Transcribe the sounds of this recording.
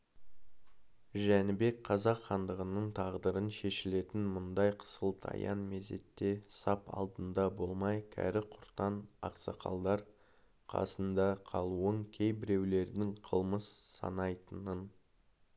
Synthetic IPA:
ʒænɪbe̞k̚qʰɑzɑqχɑnd̪əʁənəɴt̪ʰɑʁd̪əɾənʃe̞ʃɪle̞t̪ɪnmʊnd̪ɑjqʰə̥səlˠt̪ʰɑ̰jɑ̰nmeze̞̰t̪ːe̞sɑpɑ̰lˠd̪ənd̪ɑbo̞lˠmɑjkʲʰæ̰ɾɪqʰʊɾt̪ɑnɑ̰qsɑqʰɑ̰lˠd̪ɑɾ | qʰɑ̰sənd̪ɑqʰɑlˠuəŋkʲʰe̞jbɪɾe̞wle̞ɾd̪ɪŋqʰəlˠməssɑ̰nɑjt̪ənən

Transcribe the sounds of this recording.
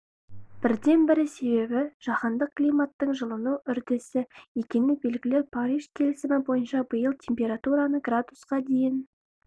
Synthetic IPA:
b̥ɪɾd̪e̞nbɪɾɪse̞be̞bɪʒ̥ɑχɑnd̪əq̚kːlijmat̪ːəɴʒəlˠənuʔʏɾd̪ɪsɪje̞kʲe̞nɪbe̞lɡʲɪlɪpʰɑɾiʒkʲʰe̞lɪsɪmɪbo̞jənʃɑbəjəlˠt̪ʲʰe̞mpʲe̞ɾat̪uɾanəɡrad̪usqɑd̪e̞jɪn

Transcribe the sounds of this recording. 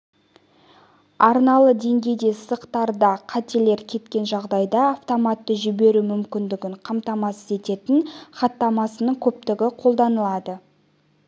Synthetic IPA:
ɑɾnɑlˠəd̪e̞ŋɡʲe̞jd̪e̞səqt̪ɑɾd̪ɑqʰɑt̪ele̞ɾkʲʰe̞t̪kʲe̞nʒɑʁd̪ɑjd̪ɑːft̪o̞mat̪ːəʒʏbe̞ɾumʏmkʲɪnd̪ɪɡʲɪɴqʰɑmt̪ɑmɑsəze̞t̪e̞t̪ɪnχɑt̪ːɑmɑsənəɴkʲʰɵp̚t̪ɪɡʲɪqʰo̞lˠd̪ɑnəlˠɑd̪ə

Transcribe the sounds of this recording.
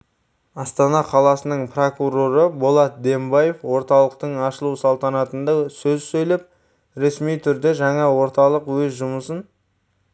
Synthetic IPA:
ɑst̪ɑnɑqʰɑlˠɑsənəɴpro̞kuro̞ɾəbolˠɑt̪̚d̪e̞mbɑje̞fwo̞ɾt̪ɑlˠəq̚t̪əɴɑʃəlˠusɑlˠt̪ɑnɑt̪ənd̪ɑsɵzsɵjlep̚ | ɾe̞smijt̪ʰʏɾd̪e̞ʒɑɴɑwo̞ɾt̪ɑlˠəqwɵzʒʊməsən

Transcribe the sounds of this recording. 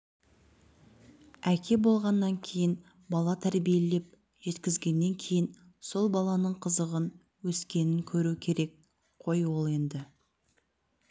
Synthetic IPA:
ækʲʰe̞bo̞lˠʁɑnːɑŋkʲʰe̞jɪn | bɑlˠɑt̪ʰæɾbije̞le̞p̚ | ʒe̞t̪kʲɪzɡʲe̞nːe̞ŋkʲʰe̞jɪn | so̞lˠbɑlˠɑnəɴqʰəzəʁən | wɵskʲe̞nɪŋkʲʰɵɾukʲʰe̞ɾe̞k̚ | qʰo̞jwolˠe̞nd̪ɪ

